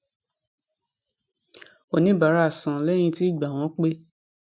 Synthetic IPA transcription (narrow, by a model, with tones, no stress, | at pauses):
o˨nĩ˨˦ba˨ɾa˨˦˨sã˨lɛ˦j̃ĩ˧ti˦i˦˨ɡ͡ba˨w̃ɔ̃˨˦k͡pe˦